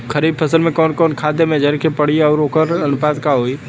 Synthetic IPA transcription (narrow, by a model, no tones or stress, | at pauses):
kʰəɾiːb̚pʰəsəlmẽkɔːnkɔːnkʰaːd̪emẽd͡ʒʱəɾkʰepəɽiɔːɾoːkəɾɐnʊpaːd̪kaɦoːi